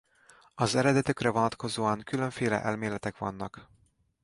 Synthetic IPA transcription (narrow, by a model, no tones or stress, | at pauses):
ɒzɛɾɛd̪ɛt̪ø̞krɛvo̞nɒt̪ko̞zoːɒŋkylø̞ɱfeːlɛ̰ʔɛlmeːlɛt̪ɛkʋɒ̰nːɒk